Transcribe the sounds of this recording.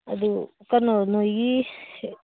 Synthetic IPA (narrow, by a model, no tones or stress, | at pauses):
ɐd̪ukɐnonoɡi